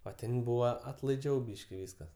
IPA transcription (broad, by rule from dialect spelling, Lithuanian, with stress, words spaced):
oː ˈtʲɛn ˈbuːʋɐ ɐtlˠɐɪˈd͡ʒʲɛʊ ˈbʲiːʃʲkʲɪ ˈʋʲiːskɐs